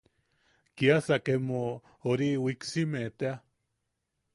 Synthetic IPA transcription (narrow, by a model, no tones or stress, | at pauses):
kiasakemo | oɾiwiksimet̪ea